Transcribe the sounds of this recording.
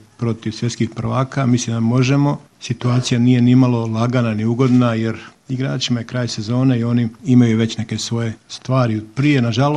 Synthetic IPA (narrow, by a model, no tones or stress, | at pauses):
pɾo̞t̪iʋsjet̪kixpr̩ʋaːkamislimd̪amo̞ʒe̞mo̞ | sit̪uaːt̪sijanije̞nimalˠo̞lˠaɡananiuɡo̞d̪naje̞ɾ | iɡɾa̰ːt͡ʃimaje̞kɾaːjse̞zo̞ːne̞io̞niimajuʋe̞t͡ɕne̞ke̞sʋo̞je̞st̪ʋaːɾipɾije̞naʒalo